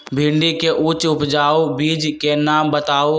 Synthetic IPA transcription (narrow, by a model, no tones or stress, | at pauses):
bʱɪ̃ːɳɖikeʔut͡ʃʊpd͡ʒaːobiːd͡ʒkenaːmbət̪aːo